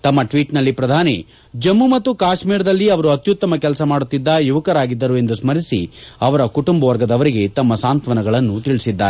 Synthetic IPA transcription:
t̪ɐmːɐʈʋiːʈnɐlːipɾɐd̪ʱaːni | d͡ʒɐmːumɐt̪ːukaːʃmiːɾɐd̪ɐlːiɐʋɐɾuɐt̪jut̪ːɐmɐkɛlɐsɐmaːɽut̪ːid̪ːɐjuʋɐkɐɾaːɡid̪ːɐɾue̞nd̪usmɐɾisiɐʋɐɾɐkuʈumbɐʋɐɾɡɐd̪ɐʋɐɾiɡe̞t̪ɐmːɐsaːnt̪ʋɐnɐɡɐɭɐnːut̪iɭisid̪ːaːɾe

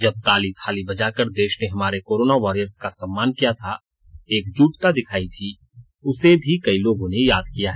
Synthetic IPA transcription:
d͡ʒɐb̚t̪aːlit̪ʰaːlibɐd͡ʒakəɾd̪eːʃneɦɐmaːɾekoːɾoːnaʋaːɾijəɾskasɐmːaːnkijat̪ʰa | eːkd͡ʒuːʈk̪ad̪ɪkʰaːit̪ʰi | ʊsebʱikɐiloːɡõnejaːd̪kijaɦɛː

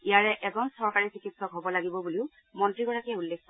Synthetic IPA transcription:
ijaɹɛʔɛzɔnsɔɹkaɹisikitsɔkɦobɔlaɡibɔbuliʊ | mɔntɹiɡɔɹakɛulːekʰtɔ

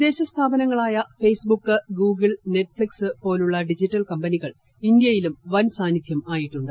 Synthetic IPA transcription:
d̪e̞ːɕɐst̪ʰaːbɐnɐŋːɐɭaːjɐfe̞jsbukːɨɡuːɡɨɭne̞ʈːfɭiksɨpo̞ːluɭːɐɖid͡ʑiʈːɐlkɐmbɐniɣɐɭ | ind̪jɐjilumʋɐnsaːnːid̪ʱjɐmaːjiʈːuɳɖɨ

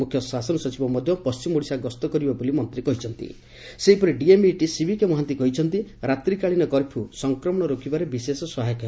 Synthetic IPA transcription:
mukʰjɔsasɔnɔsɔt͡ʃibɔmɔd̪ʱjɔpɔst͡ʃimoɽisaɡɔst̪ɔkɔɾibabolimɔnt̪ɾikɔɦit͡ʃʰɔn̪t̪ḭ | seɦipɔɾiɖiemiʈisibʱikemɔɦant̪ikɔɦit͡ʃʰɔnt̪iɾat̪ɾikaɭinɔkɔɾpʰusɔŋkɾɔmɔɽ̃ɔɾokʰibaɾebisesɔsɔɦajɔkʰ

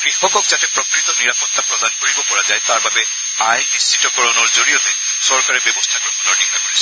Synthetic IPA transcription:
ɡɹikɔkɔkzatɛpɹokɹit̪ɔniɹapɔt̪ːapɹɔd̪ankoɹibɔpɔɹazajt̪aɹbabɛ | ajnist͡ʃitɔkɔɹɔnɔɹzoɹiot̪e | sɔɹkaɹebɛbɔstʰaɡokʰɔnɔɹnikʰːakoɹisʰɔ

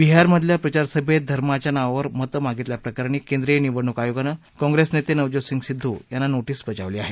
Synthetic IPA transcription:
biɦaɾməd̪ʱljapɾət͡ɕaɾsəbʱed̪ʱəɾmat͡ɕjanaʋaʋəɾmət̪əmaɡit̪ljapɾəkaɾɳ̃iːkẽnd̪ɾijeniʋəɽɳːukajoɡana | kɔ̃ŋɡɾesnet̪enəʋd͡ʑosiŋɡsid̪ʱːujanːanoʈiːsbət͡ɕa̰ʋliːaɦe

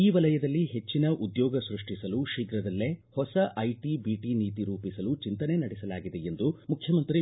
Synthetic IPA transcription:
iːʋɐlɐjɐd̪ɐlːiɦe̞t͡ʃːinɐʔud̪jɔːɡɐsɾuʂʈisɐluʃiːɡɾɐd̪ɐlːehɔsɐʔɐjʈibiːʈiniːt̪iɾuːpisɐlut͡ʃint̪ɐne̞nɐɽɛsɐlaːɡid̪e̞end̪umukʰjɐmɐnt̪ɾi

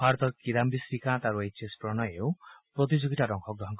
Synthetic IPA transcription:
bʱaɾɔt̪ɔɾkiɾambisɾikãt̪aɾuejt͡ʃʰespɾɔnɔjewpɾɔt̪̬id͡ʒoɡʱitaɾɔŋkʰɔɡɾɔɦɔŋkɔ

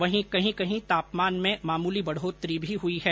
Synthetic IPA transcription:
ʋɐɦĩkɐɦĩkɐɦĩt̪aːpmaːnmẽmaːmuːlibɐɽ̤oːt̪ɾibʱiɦʊiɦɛː

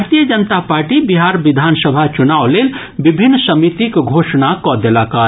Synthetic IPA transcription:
ɾt̪ijəd͡ʒənət̪apaɾʈibiɦaɾbid̪ʱansəbʱat͡ʃunawlel | bibʱinːsəmit̪ikɡʱosnakɔd̪elaka

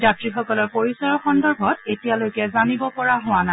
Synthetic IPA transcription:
d͡ʒatɹixɔkɔlɔɹpoɹisaɹɔxɔndɔɹbʱɔtetijalojkɛzanibɔpɔɹaɦʊwana

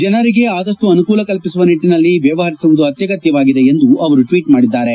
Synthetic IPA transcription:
d͡ʒɐnɐɾiɡe̞aːd̪ɐʂʈuɐnukuːlɐkɐlpisuʋɐniʈːinɐlːiʋjɐʋɐɦɐɾisuʋud̪uɐt̪jɐɡɐt̪jɐʋaːɡid̪e̞end̪uɐʋɐɾuʈʋiːʈmaːɽid̪ːaːɾe̞

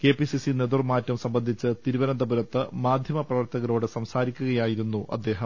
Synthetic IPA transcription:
ke̞ːpisisine̞d̪urmaːtːɐmsɐmbɐnd̪ʱit͡ɕːɨt̪iɾubɐnɐd̪ɐbuɾɐt̪ːɨmaːd̪ʱjɐmɐprɐʋɐrt̪ɐɣɐlo̞ːɽɨsɐmsaːɾikʲːuɣɐjaːjiɾunːuʔɐ̰d̪ːe̞ːɦɐm

